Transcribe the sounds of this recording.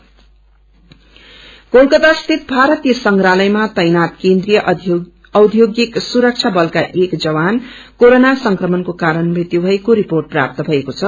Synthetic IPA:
kolkʌt̪ast̪ʰit̪̚bʱaɾʌt̪ijʌsʌŋkɾalʌjmat̪ʌjnat̪kend̪ɾijʌʔ | ʌwd̪ʱjoɡjiksuɾʌk̚t͡sʰabʌlkaʔekd͡zʌβankoɾonasʌŋkrʌmʌnkokaɾʌnbʱit̪jobʱʌekoɾiporʈ̚pra̰p̚t̪ʌbʱʌekot͡sʰʌ

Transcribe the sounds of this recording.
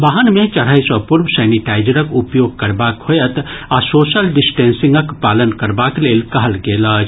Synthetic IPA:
baːɦənmẽt͡ʃəɽ̤aːjsɔpʊɾmsɛːniʈaːɪd͡ʒəɾəkʊpjoːɡ̚kəɾbaːkhojət̪asoːʃəlɖɪsʈẽːnsɪ̃ŋɡəkpaːlənkəɾbaːkleːlkɐɦəlɡeːlaːd͡ʒʰ

